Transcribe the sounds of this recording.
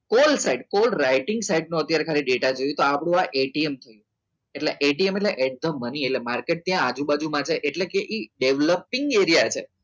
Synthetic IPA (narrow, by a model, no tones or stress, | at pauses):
kolsaiɖkolɾaiʈɪ̃ŋɡsaiɖnũət̪jaɾekʰaɾiɖeʈad͡ʒojũt̪oapɽ̃ũaʔeʈiemt̪ʰəjũ | eʈleʔeʈiemeʈleʔeɖ̚d̪əmənieʈlemaɾkeʈ̚t̪jãːd͡ʒũbad͡ʒumãt͡ʃʰeʔeʈlekeʔiɖeʋləpːɪŋɡeɾijat͡ʃʰe